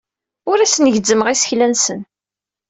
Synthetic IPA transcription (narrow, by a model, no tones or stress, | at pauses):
ʊɾæsnəʝd͡zːəməʁisə̥çlænsən